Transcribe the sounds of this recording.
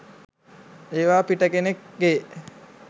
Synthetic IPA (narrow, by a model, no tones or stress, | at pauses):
eːʋaːpiʈəkenekɡe